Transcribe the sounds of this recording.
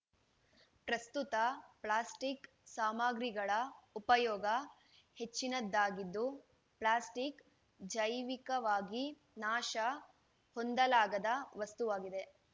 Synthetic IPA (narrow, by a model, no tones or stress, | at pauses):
pɾɐst̪ut̪ɐpɭaːsʈik | saːmaːɡɾiɡɐɭɐupɐjɔːɡɐ | he̞t͡ʃːinɐd̪ːaːɡid̪ːu | pɭaːsʈik | d͡ʒɐjʋikɐʋaːɡi | naːʃɐ | hond̪ɐlaːɡɐd̪ɐʋɐst̪uʋaːɡid̪e̞